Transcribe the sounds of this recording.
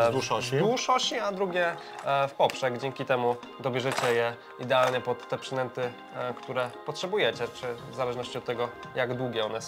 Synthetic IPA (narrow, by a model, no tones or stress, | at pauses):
d̪uʂɔɕid̪uʂɔɕiad̪ɾuɡʲjɛ | fpɔpʂɛɡd͡ʑɛŋkʲit̪ɛmu | d̪ɔbʲjɛʐɛt͡ɕɛjɛ | id̪ɛalɲɛpɔt̪ːɛpʂɛd̪ɛnt̪ɘ | kt̪uɾɛpɔtʂɛbujɛt͡ɕɛt͡ʂɘvzalɛʐnɔɕt͡ɕiɔt̪ːɛɡɔjaɡd̪wuɡʲɛɔnɛ